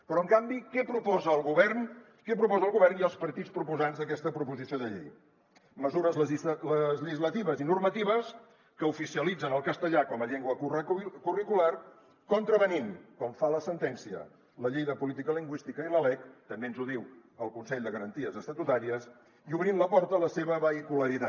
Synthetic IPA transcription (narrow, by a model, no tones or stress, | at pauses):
pɾɔəŋkambikɛpɾupɔzəːlˠɣuβɛrn | kɛpɾupɔzəlˠɣuβɛrniəlˠspəɾt̪it͡spɾupuzanzðəkɛst̪əpɾupuzisioðəʎḛj | məzuɾəzləiləzʎəʒizlət̪iβəzinurmət̪iβəs | kəufisiəlid͡zənəlˠkəst̪əʎakɔməʎeŋɡwəkurikular | kɔnt̪ɾəβəninkɔɱfaləsənt̪ɛnsiə̰ | ləʎejðəpulit̪ikəliŋɡwist̪ikəiləlɛkt̪əmbenzuðiwəlˠkunsɛʎd̪əɣəɾənt̪iəzəst̪ət̪ut̪aɾiəs | iuβɾinləpɔɾt̪ələseβəβəikuləɾit̪a